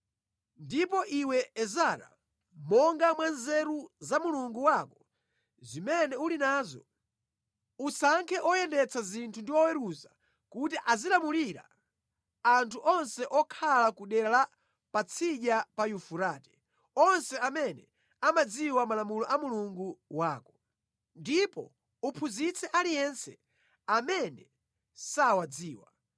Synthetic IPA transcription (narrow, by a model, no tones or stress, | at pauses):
ndip̬ɔʔiwɛɛzaɾa̰ | mɔŋɡamwanzɛɾuzamuluŋɡuwakɔ | zimɛnɛulinaːzɔ̰ | usaŋkʰɛʔɔjɛndɛt͡sʰazintʰundiwɔwɛɾuza | kutiʔazilamuliɾa̰ | antʰuʔɔnsɛʔɔkʰalakuɗɛɾala | pat͡sʰiɗapajufuɾaːtɛ̥ | ɔnsɛamɛnɛ | amad͡ziwamalamulɔʔamuluŋɡuwaːkɔ | ndipɔ̰ | upʰuzit͡sʰɛʔalijɛnsɛ̰ | amɛnɛ | sawad͡ziːwa